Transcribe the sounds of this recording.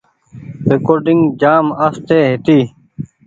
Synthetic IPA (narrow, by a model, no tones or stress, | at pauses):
ɾekoːɾɖiŋɡd͡ʒaːmɐst̪ʰeːɦit̪iː